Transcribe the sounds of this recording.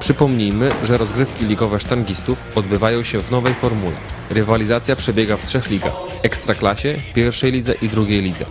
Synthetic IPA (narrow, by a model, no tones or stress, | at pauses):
pʂɘpɔmɲijmɘʐɛɾɔzɡɾɘfkʲilʲiɡɔvɛʂt̪aŋɡʲist̪ufɔd̪bɘvajɔ̃w̃ɕɛvnɔvɛjfɔɾmulʲɛ̰ɾɘvalʲizat̪sʲjapʂɛbʲjɛɡaftʂɛxlʲiɡa̰x | ɛkst̪ɾaklaɕɛpʲjɛɾfʂɛjlʲid̪zɛʔid̪ɾuɡʲejlʲid̪zɛ̰